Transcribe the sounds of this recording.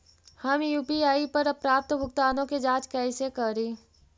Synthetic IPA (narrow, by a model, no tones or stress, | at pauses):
hɐmjuːpiaːipɐɾɐpɾaːp̚t̪bʱʊk̚t̪aːnõked͡ʒaːt͡ʃkɛɪsekɐɾiː